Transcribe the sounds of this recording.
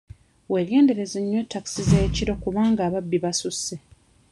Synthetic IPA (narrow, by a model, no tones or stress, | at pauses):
we̞lje̞ːnde̞ɾe̞zeɲːwetːaksizeːciɾo̞kuβaːŋɡaːβabːiβasusːe